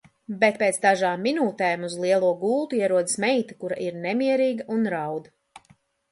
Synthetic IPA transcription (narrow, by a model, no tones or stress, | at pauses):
bet̪̚peːt̪sd̪aʒaːmːinuːt̪ɛːmuzlˠiɛlˠuɔɡuːlˠt̪uiɛɾuɔd̪ismɛjt̪ɐkuɾaʔiɾnɛmiɛɾiːɡɐʔunɾawd̪ɐ